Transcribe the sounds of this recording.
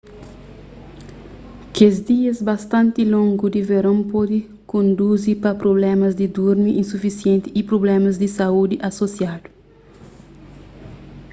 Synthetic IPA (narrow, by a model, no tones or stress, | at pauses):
kezd̪iɐzbɐst̪ãnt̪ilõŋɡud̪iveɾõmpɔd̪i | kõnd̪uzipɐpɾoblɛmɐzd̪id̪uɾmiʔĩnsufisijẽnt̪iːpɾoblɛmɐzd̪isɐud̪iʔɐsosjad̪u̥